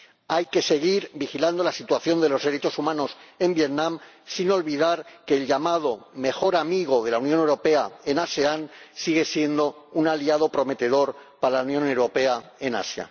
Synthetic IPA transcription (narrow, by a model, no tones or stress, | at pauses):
ajke̞se̞ɣ̞iɾbixiland̪o̞lasit̪waθjo̞nd̪e̞lo̞zðe̞ɾe̞t͡ʃo̞sumãno̞se̞mbje̞t̪nãm | sino̞lβiðaɾke̞ːlʎamað̞o̞me̞xo̞ɾamiɣ̞o̞ð̞e̞launjonewɾo̞pe̞ae̞nase̞ansiɣ̞e̞sje̞nd̪o̞unaliað̞o̞pɾo̞me̞t̪e̞ð̞o̞ɾpaɾalaunjõ̞ne̞wɾo̞pe̞ae̞na̰sja̰